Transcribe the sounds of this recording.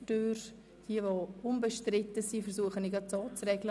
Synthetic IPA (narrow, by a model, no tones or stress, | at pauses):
tøːɾ | d̥iəvoʊnbəʃtrɪtːəsiːfɛɾsuəχəniɡɑt͡soːt͡srɛɡlə